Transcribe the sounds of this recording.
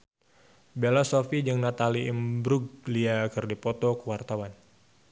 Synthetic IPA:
belasofid͡ʒɨŋnat̪aliimbɾuɡ̚liakɨrdipɔt̪ɔkəwart̪awan

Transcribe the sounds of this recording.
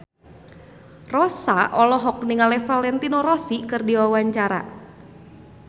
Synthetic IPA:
rɔsaʔɔlɔɦɔk̚niŋalɛfalɛnt̪inoɾɔsikɨrdiwawaɲt͡ʃaɾa̰

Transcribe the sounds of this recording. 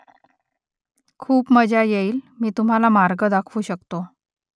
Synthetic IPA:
kʰuːpməd͡ʑʱajeiːlmiːt̪um̤alamaɾɡəd̪akʰuːɕəkt̪o

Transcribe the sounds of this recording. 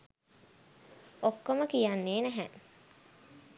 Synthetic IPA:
okːoməkijanːeːnæɦæ

